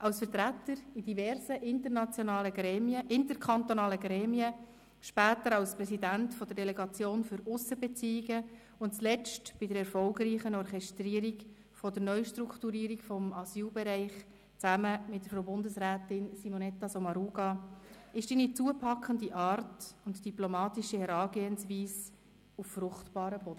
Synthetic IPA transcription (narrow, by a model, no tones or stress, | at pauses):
ʔɑʊsfəɾtɾætəɾid̥ivɛɾsəʔɪnt̪əɾnɑt͡sjonɑːləɡɛmiəɪnt̪əɾkʰχɑnt̪onɑːləɡɾɛːmiə | ʃpæːt̪əɾɑlspɾɛsidæntfɔd̥̪əɾdɛlɛɡɑt͡sjoːnfʏɾʊsəbɛt͡siiɡə | ʊntt͡slɛt͡stb̥ɪdəɾɛrfɔlɡɾiːχənɔrχɛʃtriːɾiɡ | fɔdəɾnœʏʃtɾukχtuɾiːɾikfɔmɑsyːlbɛɾæɪχ | t͡sæməmɪt̚dəɾfobʊndəsɾæːtɪnsimonɛtːɑsɔmɑɾuːɡɑɪʃdiːnit͡suəpʰɑkχəndiʔɑːrtʊntd̥iplɔmɑːtiʃihɛɾɑːɡeːənsviːs | uffɾʊχtb̥ɑːɾəb̥ɔd̥ə